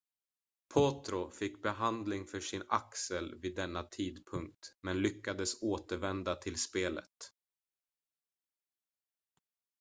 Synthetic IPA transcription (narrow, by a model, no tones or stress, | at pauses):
pʰoːt̪ɾʊfɪkːbɛɦand̪lɪŋfœʂɪnaksəlviːd̪ːɛnːat̪ʰiːd̪pʰɵŋk̚t̪mɛnlʏkːad̪əsoːt̪əɾvɛnd̪at̪ʰɪlspeːlə̰t̪